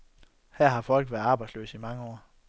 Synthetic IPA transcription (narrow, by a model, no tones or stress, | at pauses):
hæɐ̰ɦɑ̈fɒ̽l̰ɡ̥ʋæːɐðˠɑ̈ːb̥ɑ̈ɪslø̰ːsimɑ̈ŋəɒ̰ː